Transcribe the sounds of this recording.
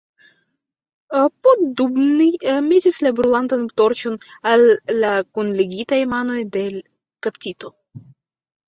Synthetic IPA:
potdubnime̞tislabɾulantantoɾt͡ʃo̞nalːakunleɡʲitajmano̞jde̞ | kaptʲito̞

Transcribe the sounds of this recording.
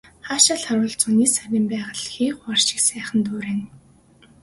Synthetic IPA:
χaːʃaɮχaɾʊːɮt͡suniːsawʲiːmpæːʁə̆ɮxiːχʷarʃɪ̥̆ksæːχə̆nt̪uːɾeːn

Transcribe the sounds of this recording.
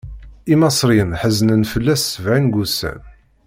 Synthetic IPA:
imɑsˤɾinħəznənfəlːæsːəvʕinɡusæ̰n

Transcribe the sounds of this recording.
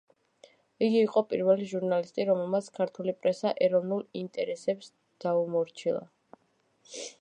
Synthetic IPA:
iɡiːqʼɔpʼiɾvɛliʒuɾnalist̪ʼiɾɔmɛlˠmat̪sʰkʰaɾt̪ʰulipʼɾɛsaʔɛɾɔvnulˠint̪ʼɛɾɛsɛps | d̪̥aumɔɾt͡ʃʰilˠa̰

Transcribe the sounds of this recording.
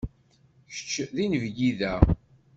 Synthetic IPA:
çə̥t͡ʃːðinəvɡiðæ

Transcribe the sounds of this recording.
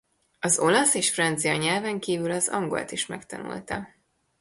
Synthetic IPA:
ɒzo̞lɒseːʃfrɒnt̪sijɒɲɛlvɛŋkiːvylɒzɒ̰ŋɡo̞̰lt̪iʃmɛkt̪ɒnṵlt̪ɒ

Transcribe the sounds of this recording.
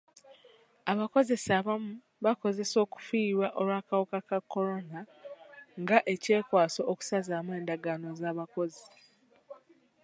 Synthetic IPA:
aβako̞ze̞saβamu | βako̞ze̞so̞ːku̥fiːβwaʔo̞ɾwaːkawokakakːo̞ɾo̞na | ŋɡaʔe̞ce̞ːkwaːso̞ʔːku̥sazaːmwe̞ːndaɡaːno̞zaːβako̞zi

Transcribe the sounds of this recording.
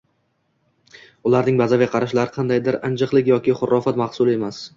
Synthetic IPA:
ʊlaɾnɪŋbazavaqʰɑɾaʃlaɾɪqʰɑnd̪ajd̪ɪɾand͡ʒɨqlˠɪkʲjɒkʲɪχʊɾːɒfat̪mɑχsʊlˠe̞mas

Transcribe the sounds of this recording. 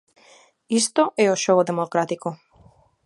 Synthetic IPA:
ist̪oʔɛoʃood̪emokɾat̪iko

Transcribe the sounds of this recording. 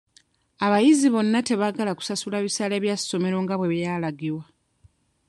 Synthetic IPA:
aβajiziβo̞nːate̞βaɡalaku̥sasulaβisale̞ːβjasːo̞me̞ɾo̞ːŋɡaβwe̞βjaːlaɡiɾwa

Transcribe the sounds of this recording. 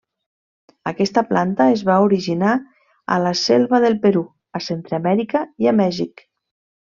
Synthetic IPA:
əkɛst̪əplant̪əezβauɾiʒina | ə̰lasɛlˠβaðelˠpeɾu | əsent̪ɾamɛɾikəiamɛʒik

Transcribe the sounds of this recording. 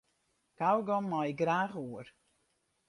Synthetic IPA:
kawɡɔmːajɪɡraːχuər

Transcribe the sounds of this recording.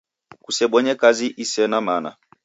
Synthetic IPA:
kusɛɓɔɲɛkaziʔisɛnamana̰

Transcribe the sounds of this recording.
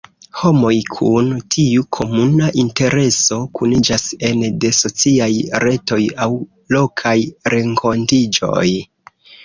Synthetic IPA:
ho̞mo̞jkʰuntʰiukʰo̞munaʔinte̞ɾe̞so̞kunid͡ʒase̞nde̞so̞t͡siajɾe̞to̞jaw | lo̞kʰajɾe̞ŋkʰo̞ntid͡ʒo̞̰j

